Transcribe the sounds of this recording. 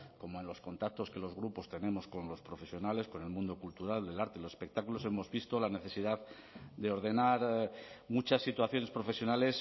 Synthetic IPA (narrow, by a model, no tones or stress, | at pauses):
ko̞moe̞nlo̞sko̞nt̪ak̚t̪o̞ske̞lo̞zɣɾupo̞st̪e̞nẽ̞mo̞sko̞nlo̞spɾo̞fe̞sjo̞nale̞sko̞ne̞lmũnd̪o̞kult̪uɾald̪e̞laɾt̪elosespe̞k̚t̪akulo̞se̞mo̞zβist̪o̞lane̞θe̞sið̞að | d̪e̞o̞ɾðe̞naɾmut͡ʃasːit̪waθjo̞ne̞spɾo̞fe̞sjo̞nale̞s